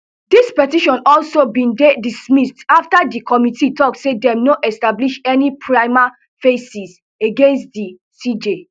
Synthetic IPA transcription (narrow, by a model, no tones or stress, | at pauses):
dispɛtiʃɔ̃nɔlsobĩnddismistaftadikʰɔmititɔksedɛ̃mnoʔɛstabliʃɛnipʰɹaɪma | fesis | eɡẽnstdi | sid͡ʒe